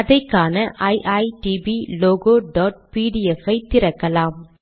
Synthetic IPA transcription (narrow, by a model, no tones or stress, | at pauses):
ɐðɐɪkːaːnɐʔɐjʔɐɪʈibiloːɣoːɖɔːʈ̚piːɽiɛfɐɪt̪ːɪɾɐkːɐlaːm